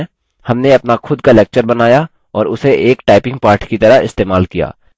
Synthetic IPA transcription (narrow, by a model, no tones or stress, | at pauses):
hɐmneɐpnaxʰʊd̪kalɛːk̚t͡ʃəɾbɐnaːja | ɔːɾʊseʔeːkʈaːɪpɪ̃ŋɡ̚paːɾʈʰkit̪ɐɾəɦɪ̰st̪eːmaːlkija̰ː